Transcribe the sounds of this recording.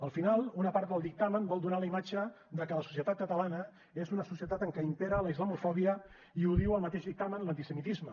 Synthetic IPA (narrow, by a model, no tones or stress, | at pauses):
əlˠfinalˠunəpaɾt̪̚d̪əlˠd̪ik̚t̪amənbɔlˠd̪unaləimat͡ʃə | d̪əkələsu̥siət̪at̪̚kət̪əlanə | ezunəsusiət̪at̪əŋkɛimpeɾələizləmufɔβiə | iuðiwəlˠmət̪eʒðik̚t̪amənlənt̪isəmit̪izmə